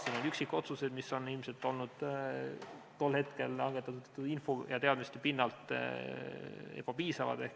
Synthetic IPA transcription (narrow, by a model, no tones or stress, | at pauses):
siːno̞nyksikːˑo̞t̪suse̞d̪̥miso̞nːilmse̞lt̪ːˑo̞lnud̪̥ | t̪o̞lːhe̞t̪ke̞lɑŋɡ̥et̪ːˑɑt̪ud̪t̪ːinfo̞jɑ̰t̪e̞ɑd̪mist̪epinːɑlt̪ˑ | ḛb̥ɑpiːsɑvɑ̰d̪̥ehk